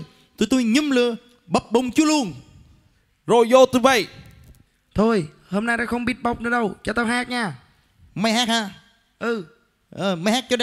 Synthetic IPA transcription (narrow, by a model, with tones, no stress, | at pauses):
t̪u˧˩jt̪u˧jɲɨ˨˧˥mlɨ˧˨ə | ɓə˨˩p̚ɓə˨˧wŋ͡mt͡ɕu˨˦əlu˧ən | zo˧˨˩jzo˧t̪u˧və̰˧˨j | t̪ʰo˧j | hoː˧mnaː˧jɗa̰ː˧˩xə˧wŋ͡mɓi˦˥ət̚ɓa˨˩wk͡p̚nɨ˧˦ɗə˧wt͡ɕɔ˧t̪aː˧˩ɦaː˦˥k̚ɲaː˧˩ | ma˧jɦaː˦˥k̚haː˧˩ | ʔɨ˨˧˩ | ʔɨ˨˩ma˧˩jhaː˦˥k̚t͡ɕɔ˧ɗə˧